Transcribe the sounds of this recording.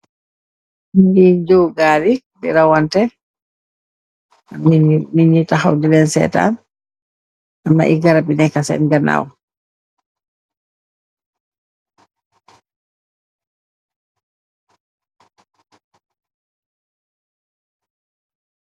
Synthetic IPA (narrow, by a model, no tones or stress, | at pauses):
indid͡ʒowɡaɾi | bḭɾawantɛ | aminiɲitaha̰wdɛbɛnsɛ̰ːta̰n | ʔamna̰ʔiɡaɾabinɛkasɛ̰nɡana̰w